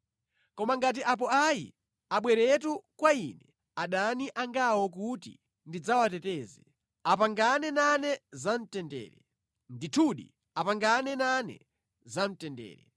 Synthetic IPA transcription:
kɔmaŋɡat̬iʔap̬ɔaḭ | aɓwɛɾɛt̬ukwainɛ | aɗaniʔaŋɡawɔk̬utḭ | ndid͡zawatɛtɛːzɛ | apaŋɡanɛnanɛzan̩tɛndɛ̰ːɾɛ | nditʰuɗḭ | apaŋɡanɛnanɛ̰ | zam̩tɛndɛ̰ːɾɛ

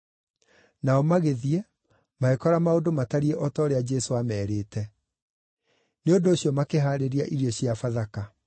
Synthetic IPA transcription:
naɔmaɣeðiɛ | maekɔɾamaodomataɾiɛʔɔtɔːɾead͡ʒɛsoamɛːɾeːtɛ | neondoːɕjɔmakeɦaːɾeɾiaʔiɾiɔɕjafaðaka

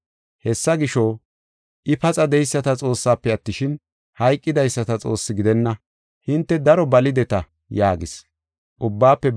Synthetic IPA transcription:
hɛsːɐɡɪʃo | ʔɪpɐt͡sʼɐd̪ɛjsːɐt̪ɐt͡sʼo̞ːsːaːpːɛɐt̪ːɪʃɪn | hɐjkʼːɪd̪ɐjsːɐt̪ɐt͡sʼo̞ːsːɪɡɪd̪ɛnːɐ | hɪnt̪ːɛd̪ɐɾɔbɐlɪd̪ɛt̪ɐ | jaːɡɪ̰s | ʔʊbːaːpːɛ

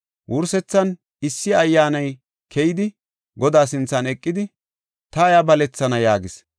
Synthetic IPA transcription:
wʔʊɾsɛt͡sːɐn | ɪsːɪɐjːaːnɐj | kʰɛjɪd̪ɪ | ɡɔd̪aːsɪnt͡sːɐnɛkʼːɪd̪ɪ | t̪ɐjabɐlɛt͡sːɐnɐjaːɡɪs

